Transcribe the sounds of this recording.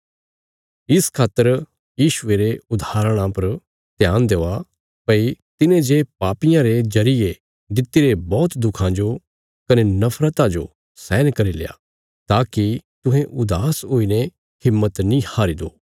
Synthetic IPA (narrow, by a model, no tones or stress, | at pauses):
ɪskʰaːt̪ːəɾ | jiːʃʊeɾeʊd̪ʱaːɾəɽ̃ãpɐɾ | t̪ɪjãːnd̪ea | pɐit̪ɪnẽd͡ʒepaːpɪjãɾed͡ʒɐɾɪje | d̪ɪt̪ːiɾebɔːt̪d̪ʊkʰãd͡ʒo | kɐnenɐfʰɾət̪ãd͡ʒo̰ | sɛːnkɐɾilḛja̰ | t̪aːkit̪ʊ̃ɦẽʔʊd̪aːsɦoːine | kɪmːət̪nĩhaːɾid̪oː